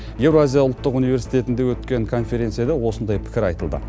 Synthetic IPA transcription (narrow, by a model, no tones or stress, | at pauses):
je̞wɾoazʲijaʊlˠt̪ːəqunive̞ɾsijt̪ʰe̞t̪ɪnd̪ewɵt̪kʲe̞ŋkʰo̞nfe̞ɾʲe̞nt̪sijad̪ɑwo̞sənd̪ɑjpʰɪ̥kʲɪɾɑjt̪əlˠd̪ə̰